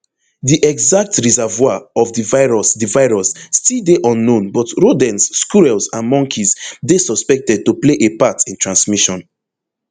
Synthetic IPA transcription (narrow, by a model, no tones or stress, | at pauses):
diʔɛɡzak̚tɹizɛvwaɔvdivaɪɹɔsdivaɪɹɔsːtildeʔɔ̃nːõnbɔtɹodɛ̃nsːkuɹɛlsãnmɔ̃ŋkʰizdesɔspɛk̚tɛd̚tupleʔepatʰĩntʰɹãnsmiʃɔ̃n